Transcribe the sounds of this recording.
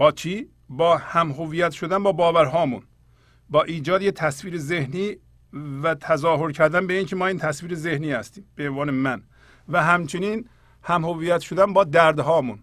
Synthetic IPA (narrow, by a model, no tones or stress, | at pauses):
b̥ɒːt͡ʃʰiː | bɒːhæmɦoviːjæt̪ʃod̪ænbɒːbɒːvæɾɦɒːmṵn | bɒːʔiːd͡ʒɒːd̪jet̪ʰæsviːɾezehniː | væt̪ʰæzɒːɦoɾcʰæɾd̪ænbeiːŋcʰemɒːiːnt̪ʰæsviːɾezehniːhæst̪iːmb̥eenvɒːnemæn | væɦæmt͡ʃʰeniːn | hæmhoviːjæt̪ʃod̪ænbɒːd̪æɾd̪ɦɒːmun